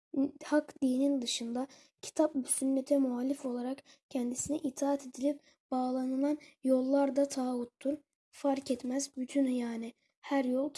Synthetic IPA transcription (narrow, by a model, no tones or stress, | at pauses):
hakd̪iːnind̪ɯʃɯnd̪a | cʰi̥t̪ʰapbysynːet̪ʰɛmuɦalʲːifo̞lˠaɾak | cʰɛnd̪isinɛʔit̪ʰaːat̪ʰed̪ilʲip̚ | b̥aːlˠanɯlˠanjo̞lˠːaɾd̪at̪ʰaːut̪ʰːuɾ | faɾcɛt̪mæzbyt̪ʰynjaːnɪ | hæɾjolˠt̪ʰ